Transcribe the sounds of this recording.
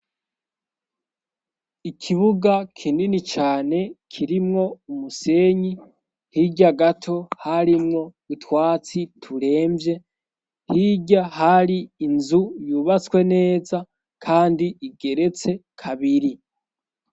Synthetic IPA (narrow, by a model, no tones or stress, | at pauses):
ikʰiβuɡakʰiːndinit͡ʃaːne̞kʰiɾimŋo̞umuse̞ːɲi | hiɟaɡatʰo̞haɾimŋo̞ | itwaːt͡sitʰuɾe̞ːmbje̞ | hiɟahaɾiːnzujuːβat͡skwe̞ne̞ːza | kʰaːndiiɡe̞ɾe̞t͡se̞kʰaβiɾi